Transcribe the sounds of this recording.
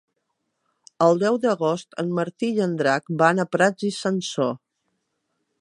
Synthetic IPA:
əlˠd̪ɛwd̪əɣost̪ə̰mməɾt̪iʎənd̪ɾakbanəpɾad͡zisənso̰

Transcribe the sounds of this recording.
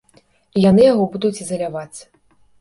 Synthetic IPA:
ijanɨjaɣɔbud̪ut͡sʲizɐlʲavat͡ssʲ

